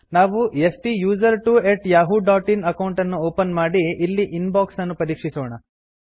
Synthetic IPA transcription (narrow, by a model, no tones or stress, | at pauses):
naːʋuesʈijuːzɐɾʈuːeʈjaːɦuɖaːʈinɐkɐwuɳʈɐnːuoːpɐnmaːɽiʔilːiʔinbaːksɐnːupɐɾiːkʂisɔːɳɐ